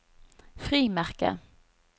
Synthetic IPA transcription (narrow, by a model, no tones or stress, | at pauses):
fɾiːmæɾkə̰